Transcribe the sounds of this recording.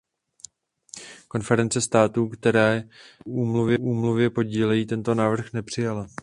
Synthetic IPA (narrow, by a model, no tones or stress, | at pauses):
ko̞nfɛɾɛnt͡sɛst̪aːt̪ukt̪ɛɾɛːuːmluvjɛʔuːmluvjɛpoɟiːlɛjiːt̪ɛnt̪o̞naːvr̩xnɛpr̥ɪjala